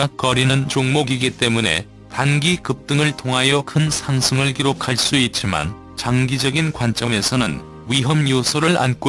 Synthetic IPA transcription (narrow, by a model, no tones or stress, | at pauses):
akʌɾinɯnt͡ɕoŋmoɡiɡit͈e̞mune̞̰ | tanɡikɯp̚t͈ɯŋɯɭtʰoŋɦajʌkʰɯnsʰaŋsʰɯŋɯɭkiɾokʰaɭs͈uit̚t͡ɕ͈ima̰n | t͡ɕaŋɡid͡ʑʌɡinkwant͡ɕ͈ʌme̞sʰʌnɯn | wiɦʌmjosʰoɾɯɭa̰nk͈o